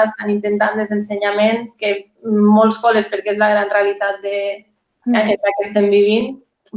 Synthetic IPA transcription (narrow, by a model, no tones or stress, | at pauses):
est̪anint̪ent̪and̪ezðenseɲamenke | mːolˠskolespeɾkeezlaɣ̞ɾanrealit̪at̪̚d̪e | aɲelakest̪embiβ̞in